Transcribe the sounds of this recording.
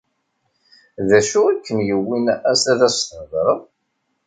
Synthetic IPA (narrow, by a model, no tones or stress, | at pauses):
ðæʃuækːənjəwːinæsæðæst̪ənəðɾˤəðˤ